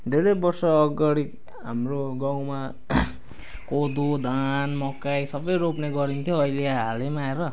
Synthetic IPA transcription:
d̪ed̪ʌbʌrsʌːɡʌɽik | ɦa̰mroɡaw̃ma | kod̪ud̪anmʌkːajsʌbʌjɾopneɡʌɾint̪ʰjoːileɦalemaeɾʌ

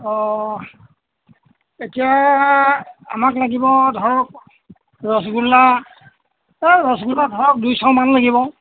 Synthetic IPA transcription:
ɔ | etija | a̰maklaɡibɔdʱɔɹɔk̚ | ɹɔsɡulːa | ɹɔsɡuladʱɔɹɔk̚dujsɔwmanlaɡibɔ

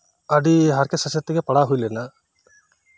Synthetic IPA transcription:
ɐɖiɦaɾkesɐset̪ːiɡepɐɽaɦujlɛna

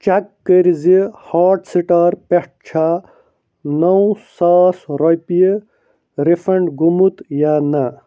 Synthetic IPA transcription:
t͡ɕakːəɾzihaːʈsiʈaːɾpeʈ̚t͡ɕʰa | nɐw̃saːsɾɐpji | ɾifɐɳɖɡumut̪jaːnɐ

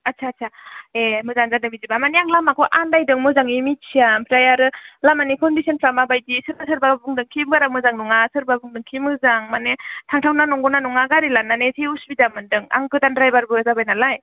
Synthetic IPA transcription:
atsʰatsʰaemɯzaŋzadɯŋmizibamaniaŋlamakʰɔʔandajdɯŋmɯzaŋimit͡ʃʰiampʰɾajaɾɯlamanikʰɔndisɔnpʰɾamabajdisɯɾbas̬ɯɾbabɯŋdɯŋkʰibɡaɾamɯzaŋnɔŋasɯɾbabɯŋdɯŋkʰimɯzaŋmanetʰaŋtʰawnanɔŋɡɔnanuŋaɡaɾilanːanetʰiusbidamɯndɯŋa̰ŋɡɯdandɾajbaɾbɯzabajnalaj

